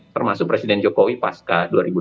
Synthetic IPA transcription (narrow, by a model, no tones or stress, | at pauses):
t̪ərmasʊk̚pɾesidɛnd͡ʒɔkowipaskaduaɾibu